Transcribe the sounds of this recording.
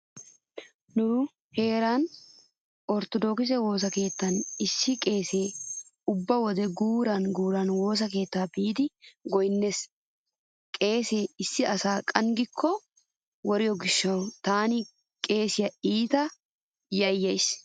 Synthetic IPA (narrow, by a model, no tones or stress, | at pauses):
nʊ | he̞ːɾan | ʔɔɾt̪ɔd̪ɔːkɪs̬ɛwo̞ːs̬ɐke̞ːt̪ːɐnɪsːɪkʼe̞ːse̞ː | ʊbːɐwɔd̪ɛɡuːɾɐnɡuːɾɐnwo̞ːs̬ɐke̞ːt̪ːaːbiːd̪ɪɡɔjnːes | kʼe̞ːseːɪsːɪɐsaːkʼɐŋɡɪkʰːɔ | wɔɾɪjɔɡɪʃːɐwt̪aːnɪ | kʼe̞ːsɪjɐiːt̪ɐ | jɐjːɐjs